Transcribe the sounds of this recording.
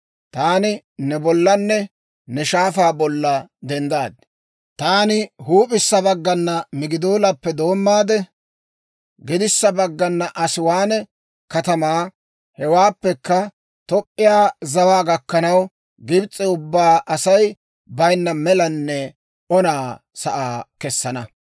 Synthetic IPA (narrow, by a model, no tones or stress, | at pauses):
t̪aːnɪ | nɛbɔlːɐnːɛ | nɛʃaːfaːbɔlːɐd̪ɛnd̪aːd̪̚ | t̪aːnɪhuːpʼɪsːɐbɐɡːɐnːɐmɪɡɪd̪oːlɐpːɛd̪o̞ːmːaːd̪ɛ | ɡɪd̪ɪsːɐbɐɡːɐnːɐʔɐsɪwaːnɛ | kɐt̪ɐmaː | hɛwaːpːɛkːɐ | t̪ɔpʼːɪjaːzɐwaːɡɐkːɐnɐw | ɡɪbt͡sʼːɛʊbːaːʔɐsɐj | bɐjnːɐmɛlɐnːɛ | ɔnaː | sɐʔaːkɛsːɐnɐ